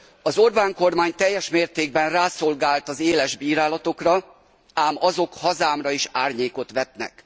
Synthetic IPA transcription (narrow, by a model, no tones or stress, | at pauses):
ɒzo̞rbaːŋko̞rmaːɲt̪ɛjːɛʃmeːrt̪eːɡ̚bɛnraːso̞lɡaːlt̪ɒzeːlɛʒbiːɾaːlɒt̪o̞krɒ | aːmɒzo̞khɒzaːmrɒiʃaːrɲeːko̞t̪ʋɛt̪nɛ̰k